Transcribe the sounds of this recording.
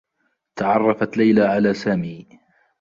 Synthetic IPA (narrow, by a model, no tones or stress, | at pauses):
t̪aʕɑrˤːɑfat̪lajlaʕalaːsaːmiː